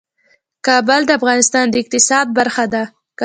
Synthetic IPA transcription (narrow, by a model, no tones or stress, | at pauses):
kɑbəld̪əafɣɑnɪst̪ɑnd̪əɪq̚t̪ɪsɑd̪̚baɾxad̪a | k